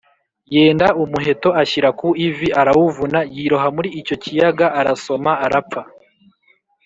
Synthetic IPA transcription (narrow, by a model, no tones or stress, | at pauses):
je̞ːndaʔumuɦe̞to̞açiɾakuiviʔaɾawuvunajiɾoɦamuɾiːco̞cijaɡaːɾaso̞maaɾapp͡fa